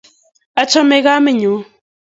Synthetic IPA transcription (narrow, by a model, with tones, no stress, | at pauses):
a˦t͡ʃɔ˦me˦ɣa˦me˨ɲo˨˦